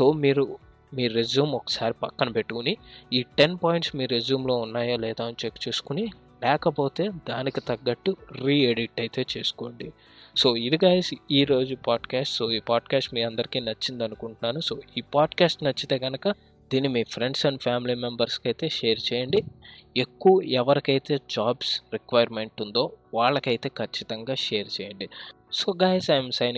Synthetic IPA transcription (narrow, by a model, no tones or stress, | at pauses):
so̞ːmiːɾu | miːɾezuːmɔkɐ̥saːɾipɐkːɐnɐpeʈːukuniiːʈe̞npaːjiɳʈsmiːɾɾezuːmlo̞ːunːaːjaːlɛːd̪aːɐnit͡ʃekːt͡ʃuːsu̥kuni | lɛːkɐpo̞ːt̪e̞ːd̪aːnikit̪ɐɡːɐɡʈːuɾiːeɖiʈːɐjt̪e̞ːt͡ʃe̞ːsu̥ko̞ːɳɖi | so̞ːid̪iɡaːjsiːɾo̞ːd͡ʒupaːɖkaːsʈso̞ːiːpaːɖkaːsʈmiːɐnd̪ɐɾikiːnɐt͡ʃːind̪ɐnukuɳʈunːaːnuso̞ːiːpaːɖkaːsʈnɐt͡ʃːit̪e̞ːɡɐnɐkɐ | d̪iːnːimiːpʰɾe̞ɳɖsɐɳɖpʰjaːmiliːmembɐɾskɐjt̪e̞ːʃeːɐɾt͡ʃɛːjɐɳɖiekːuʋuɛʋɐɾikɐjt̪e̞ːd͡ʒaːbsɾikʋɐjɐɾme̞ɳʈund̪o̞ːʋaːɭːɐkɐjt̪e̞ːkʰɐt͡ʃːit̪ɐŋɡaːʃeːɐɾt͡ʃɛːjɐɳɖi | so̞ːɡaːjsaːjmsɐjn